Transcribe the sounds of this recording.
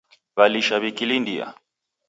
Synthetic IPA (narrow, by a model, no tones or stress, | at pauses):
βaliʃaβikilindia̰